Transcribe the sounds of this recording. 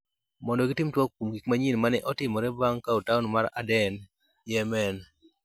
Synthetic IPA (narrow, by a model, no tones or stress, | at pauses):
mɔndɔɡitɪmtwɔkkumɡikmaɲinmanɛʔɔtɪmɔɾɛbaŋkautaʊnmaɾa̰dɛn | jɛmɛn